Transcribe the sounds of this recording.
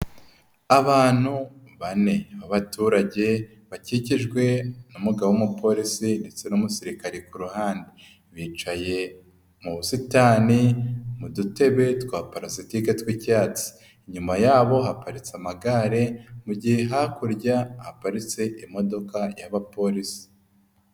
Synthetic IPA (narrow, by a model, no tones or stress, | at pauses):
aβaːn̥hu | βane̞βaβatuːɾaɟe̞ | βaciciʒɡwe̞numuɡawumupʰo̞ɾisinde̞t͡se̞numusiɾikaɾekuɾuhaːnde | βiːt͡ʃaje̞ | muβusitaːnimudute̞βe̞twaːpaɾazitiketwicaːt͡si̥ | iɲumajaːβo̞ɦapaɾit͡samaɡaɾe̞muɟihe̞ɦakuɾɟahapaɾit͡se̞ʔimo̞do̞kajaβapo̞ɾisi̥